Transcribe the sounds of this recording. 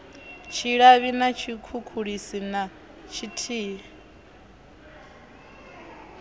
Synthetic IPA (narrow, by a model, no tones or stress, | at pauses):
t͡ʃʰiɺaβinat͡ʃʰikʰukʰuɺisina | t͡ʃʰitʰiːɺɛ